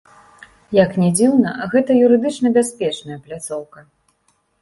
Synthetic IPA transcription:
jɐknʲɛd͡zʲiwnɐɣɛt̪ɐjuɾɨd̪ɨt͡ʂnɐbʲasʲpʲɛt͡ʂnɐjɐplʲat̪sɔwkɐ

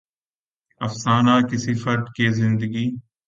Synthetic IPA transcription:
əfsaːnaːkɪsiːfʰəɾʈ̪keːzɪ̃nd̪əɡiː

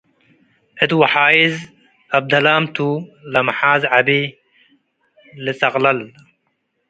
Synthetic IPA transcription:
et̪wɐħaːjiz | ɐb̚d̪ɐlaːmt̪ʰulɐmħaːzʕabi | lisɐqlɐl

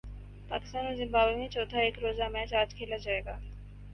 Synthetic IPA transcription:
pa̰ːkɪ̥st̪aːnozɪ̃mbaːbemẽt͡ʃɔːt̪ʰaeːkɾoːzamɛ̃t͡ʃaːɾd͡ʒkʰeːlad͡ʒaːeːɡaː

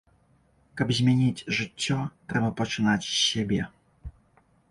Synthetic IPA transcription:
kɐbzʲmʲɛnʲit͡sʲʐɨtʲːɔt̪ɾɛbɐpɐt͡ʂɨnat͡sʲsʲɛbʲɛ

